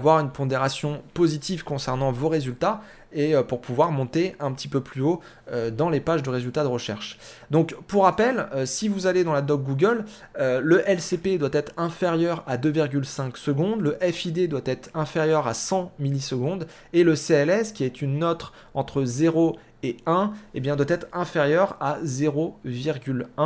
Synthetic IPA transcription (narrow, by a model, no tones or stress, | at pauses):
vwaʁynpɔ̃d̪eʁasjɔ̃pozit̪iv̥kɔ̃sɛʁnɑ̃voʁezylt̪a | eøpuʁpuvwaʁmɔ̃t̪eɛ̃pət̪ʰipøplyo | ød̪ɑ̃lepaʒd̪əʁezylt̪ad̪əʁəʃɛ̰ʁʃ | d̪ɔ̃kpuʁapɛløsivuzaled̪ɑ̃lad̪ɔɡ̚ɡuɡʲəl | øːəʔɛlseped̪wat̪ɛt̪χɛ̃feʁjœʁad̪øviʁɡʲylsɛ̃ksəɡɔ̃d̪ləʔɛfid̪ed̪wat̪ɛt̪χɛ̃feʁjœʁasɑ̃milisəɡɔ̃d̪ | eləseɛlɛskʲiɛt̪ynːɔt̪χ | ɑ̃t̪χəzeʁo | eɛ̃ebjɛ̃d̪wat̪ɛt̪χɛ̃feʁjœʁazeʁoviʁɡʲylɛ̃